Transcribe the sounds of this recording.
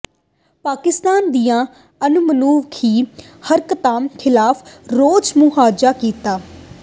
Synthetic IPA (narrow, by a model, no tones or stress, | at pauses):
paːkɪst̪aːnd̪ijãː | ənʊmənuːʋkʰiː | həɾkət̪ãːmkʰɪlaːfʰɾoːd͡ʒmʊɦaːd͡ʒaːkiːt̪aː